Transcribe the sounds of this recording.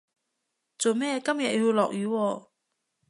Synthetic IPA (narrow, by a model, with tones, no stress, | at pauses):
t͡so˨wmɛː˥kɐ˥mjɐ˨t̚ji˧lɔː˨k̚jyː˨˧wɔː˧